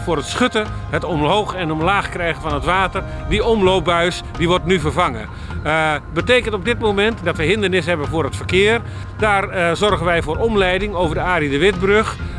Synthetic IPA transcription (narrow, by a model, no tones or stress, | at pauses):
fʊːrətsχøtəɦətɔmɦoːxɛnɔmlaːxkrɛjɣənvɑnətʋaːtərdiɔmloːp̚bœɥs | diʋɔrtnyvərvɑŋə̰ | bəteːkəntɔb̚dɪt̚momɛntdɔtʋəɦɪndərnɪsɦɛbəvʊːrɦətfərkɪːər | daːrzɔrɣənʋɛjvʊːɾɔmlɛjdɪŋoːvərdəaːdidəʋɪt̚brøx